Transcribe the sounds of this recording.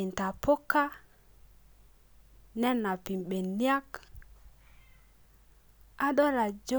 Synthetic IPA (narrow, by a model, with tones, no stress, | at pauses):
ɪ˨n˨ta˨po˦ka˦ | nɛ˦na˨pi˨mɓe˨ni˦a˦k | a˦ɗɔ˦ɾa˨d͡ʒo˦